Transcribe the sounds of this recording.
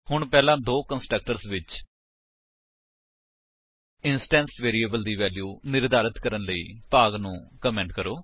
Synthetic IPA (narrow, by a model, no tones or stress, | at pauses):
hʊɳpɛːlãːd̪oːkənsʈɾək̚ʈəɾsʋɪt͡ʃ | ɪnsʈɛ̃ːnsʋeːɾiːəbəld̪iːʋɛːljuːnɪɾd̪aːɾɪt̪kəɾənləḭːpaːɡnũːkəmɛ̃ːɳʈkəɾoː